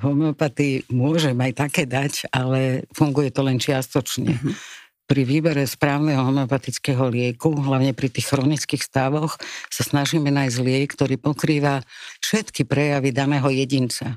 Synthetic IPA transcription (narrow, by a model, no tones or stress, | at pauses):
ɦɔmɛɔpat̪imʊɔʒɛmajt̪akɛːd̪acalɛfuŋɡujɛt̪ɔlɛnt͡ʃɪast̪ɔt͡ʃɲɛ̰ | pɾiʋiːbɛɾɛspɾaːʊnɛɦɔɦɔmɛɔpat̪it͡skɛːɦɔlɪɛkuɦlaʊɲɛpɾit̪iːxxɾɔnit͡skiːxst̪aʋɔxsasnaʒiːmɛnajzzlɪɛkt̪ɔɾiːpɔkɾiːʋafʃɛt̪kipɾɛjaʋid̪anɛːɦɔjɛɟint͡sa